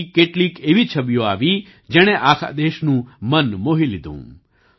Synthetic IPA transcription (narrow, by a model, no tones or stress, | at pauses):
keʈliːkeʋit͡ʃʰəbjoaːʋi | d͡ʒɛɽ̃eʔaːkʰa̰d̪eʃnũmənmoɦilid̪ʱṵ̃